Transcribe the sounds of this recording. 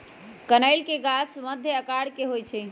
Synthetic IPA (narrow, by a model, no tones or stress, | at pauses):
kənəɪlkeɡasməd̪ʱjəəkaɽkeɦojt͡ʃʰɛ